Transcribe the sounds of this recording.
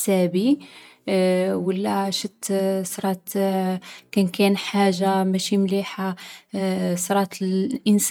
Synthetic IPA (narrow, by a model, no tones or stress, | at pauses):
sæbi | wəlːæʃət̪sɾˤɑt̪ | kænkænħaʒːamæʃimliħa | sɾˤɑt̪əlʔəns